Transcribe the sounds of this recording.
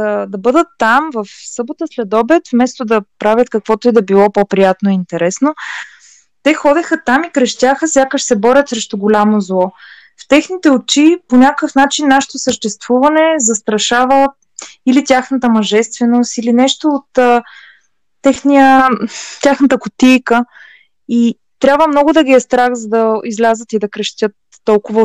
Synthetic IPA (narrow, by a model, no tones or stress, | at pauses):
əd̪ɐbɤd̪ət̪ːamvəfsɤbot̪əslɛd̪ɔbɛt̪fmɛst̪od̪ɐpɾavʲjət̪kɐkvɔt̪oid̪ɐbilˠɔpopɾijat̪noiint̪ɛɾɛsno | t̪ɛxɔd̪ɛxət̪amikɾɛʃt̪ʲaxəsʲjakəʃsɛbɔɾʲət̪sɾɛʃt̪oɡolʲamozlˠɔ | ft̪ɛxnit̪ɛot͡ʃiponʲakəfnat͡ʃinːaʃɛ̥t̪osəʃt̪ɛst̪v̥uvɐnɛzɐst̪ɾɐʃavə | ilit̪ʲaxnət̪əmɐʒɛst̪vɛnost̪ilinɛʃt̪oːt̪əː | ɛxnijə | t̪ʲaxnət̪əkʊt̪ijkə | i | t̪ɾʲabvəmnɔɡʊd̪ɐɡiɛst̪ɾak̪zɐd̪ɐizlʲazət̪id̪ɐkɾɛʃt̪ʲət̪ːɔlˠkʊvə